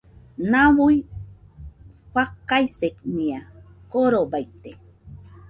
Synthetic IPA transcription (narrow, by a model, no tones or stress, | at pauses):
nawuj | ɸakːajsekniakoɾobajt̪e